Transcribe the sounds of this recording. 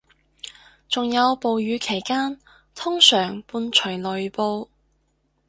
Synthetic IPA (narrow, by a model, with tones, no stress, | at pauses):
t͡sʊ˨ŋjɐ˨˧wpo˨wjyː˨˧kʰe˨˩jkaː˥n | t̪ʰʊ˥ŋsœː˨˩ŋpuː˧nt͡ʃʰɵ˨˩ɥlɵ˨˧ɥpo˧w